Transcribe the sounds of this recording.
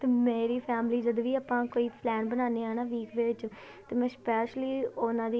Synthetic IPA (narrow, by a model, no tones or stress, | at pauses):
t̪eːmeːɾiːpʰɛːmliːd͡ʒəd̪ʋiːaːpãːkoːiːpʰlɛːnbənaːneːaːnaːʋiːkʋeːʋɪt͡ʃ | t̪eːmɛ̃ːspɛːʃliːonãːd̪iː